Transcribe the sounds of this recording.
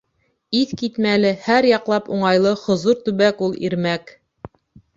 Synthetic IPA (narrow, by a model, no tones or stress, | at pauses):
iθkit̪mælɘhæɾjɑqlˠɑpuɴɑjlˠɤhŏzuɾt̪ʉβækulˠḭɾmæk